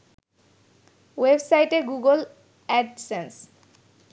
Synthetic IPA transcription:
websajʈeɡuɡol | ɛɖsens

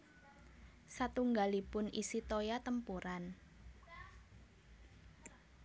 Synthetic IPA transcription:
sat̪uŋɡalipʊnisit̪ojat̪əmpuɾan

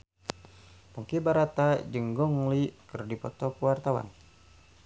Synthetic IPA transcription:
puŋkibaɾat̪ad͡ʒəŋɡɔŋlikɨrdipɔt̪ɔkuwart̪awa̰n

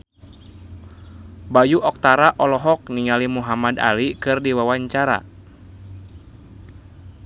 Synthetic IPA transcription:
bajuʔɔk̚t̪aɾaʔɔlɔɦɔk̚niŋalimuɦamada̰likɨrdiwawaɲt͡ʃaɾa̰

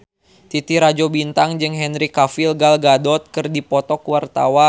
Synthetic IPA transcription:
t̪it̪iɾad͡ʒobint̪aŋd͡ʒɨŋɦɛnɾikafilɡalɡadɔt̪̚kɨrdipɔt̪ɔkuwart̪a̰wa

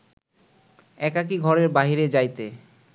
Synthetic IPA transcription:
ɛkak̬iɡʱɔɾeɾbaɦiɾed͡ʑajt̪e

